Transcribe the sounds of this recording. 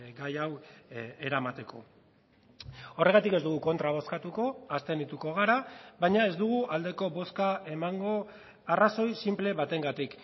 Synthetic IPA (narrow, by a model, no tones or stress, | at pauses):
ɡajawe̞ɾamat̪e̞kʰo̞̰ | o̞re̞ɣ̞at̪ike̞zd̪uɣuko̞nt̪ɾaβ̞o̞skat̪uko̞ast̪e̞nit̪uko̞ɣ̞aɾaβajɲae̞zd̪uɣ̞uʔald̪e̞ko̞βo̞skae̞maŋɡo̞ | araso̞jsimple̞βat̪e̞ŋɡat̪ik